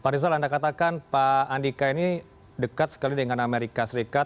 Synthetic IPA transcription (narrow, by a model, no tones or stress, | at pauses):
paɾis̬alandakat̪akanpaːndikaini | dəkat̪̚sə̥kalidəŋanameɾikasəɾikat̪̚